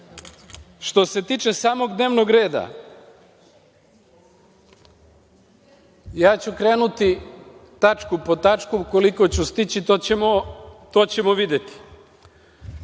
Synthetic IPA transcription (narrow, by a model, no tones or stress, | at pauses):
ʃt̪o̞se̞t̪iːt͡ʃe̞saːmo̞ɡd̪ne̞ːʋno̞ɡɾe̞ːd̪a̰ | jaːt͡ɕukɾeːnut̪it̪at͡ʃkupo̞t̪at͡ʃkukoliko̞t͡ɕust̪it͡ɕit̪ot͡ɕemot̪oːt͡ɕe̞moʋid̪et̪i̥